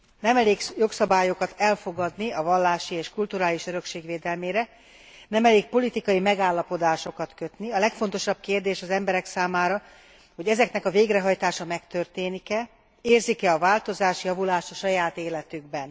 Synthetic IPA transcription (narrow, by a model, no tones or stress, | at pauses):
nɛmɛleːɡjo̞ksɒbaːjo̞kɒt̪ɛlfo̞ɡɒd̪niɒvɒlːaːʃieːʃkult̪uɾaːliʃøɾø̞kʃeːɡʋeːd̪ɛlmeːɾɛ | nɛmɛleːk̚po̞lit̪ikɒjimɛɡaːlːɒpo̞d̪aːʃo̞kɒt̪kø̞t̪niɒlɛkfo̞n̪t̪o̞ʃɒb̥̚keːrd̪eːʃɒzɛmbɛɾɛksaːmaːɾɒ | ho̞ɟɛzɛknɛkɒveːɡrɛɦɒjt̪aːʃɒmɛkt̪ørt̪eːnikɛ | eːrzikɛɒvaːlt̪o̞zaːʃjɒvulaːʃt̪ɒʃɒjaːt̪eːlɛt̪yɡbɛn